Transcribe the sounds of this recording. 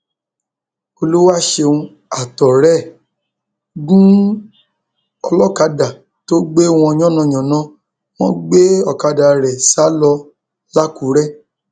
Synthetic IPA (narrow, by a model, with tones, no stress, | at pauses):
o˧lo˦wa˦˨ʃe˧ũ˧ | a˨tɔ˨ɾɛ˦˨ | ɡũ˦ | ɔ˧lɔ˦ka˧da˨ | to˦ɡ͡be˦w̃ɔ̃˧ɲ̃˦ɔ̃˦nɔ̃˨˧˨ɲ̃ɔ̃˨nã˨˦ | w̃ɔ̃˦ɡ͡be˦ɔ˨ka˧da˨ɾɛ˨sa˨˦lɔ˧ | la˦ku˨˦ɾɛ˦˨